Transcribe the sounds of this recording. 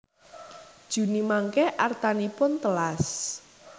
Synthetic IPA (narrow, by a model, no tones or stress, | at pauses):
d̥ʒ̥ṳnimaŋkɛʔart̪anipʊnt̪əlas